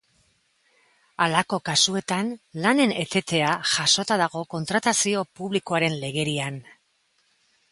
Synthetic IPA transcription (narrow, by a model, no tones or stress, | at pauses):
alako̞kasue̞t̪anlane̞ne̞t̪e̞t̪e̞aʝaso̞t̪aðaɣ̞o̞ko̞nt̪ɾat̪asio̞puβliko̞aɾe̞nle̞ɣ̞e̞ɾian